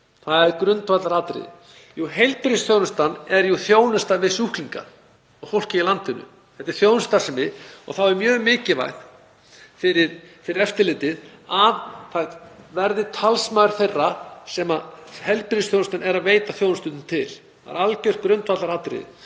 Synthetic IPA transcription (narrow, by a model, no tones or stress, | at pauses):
θaðɛɾkɾʏnt̪vat̪laɾat̪ɾɪ̰ðɪ̰ | juɦejlt̪pɾisθjownʏst̪anɛɾjuθjoːwnʏst̪avɪsuhkliŋka̰ | ɔɣfowl̥cɪilant̪ɪnʏ̰ | θɛht̪ːɪɾ̥θjownst̪asɛmɪɔ̰ɣθawɛɾmjœːɣmɪːcɪva̰ɣð | fɪɾɪɾfɪɾɪɾɛft̪ɪɾlɪːt̪ɪðavθavɛɾðɪt̪ʰalsmaːɾ̥θejrːasɛmahɛjlpɾistθjownst̪anɛɾaðveːjt̪aθjownst̪ʏt̪nt̪ʰɪl | a̰ɾalcœɾ̥kɾʏnt̪vat̪laɾat̪ɾɪ̰ðɪ̰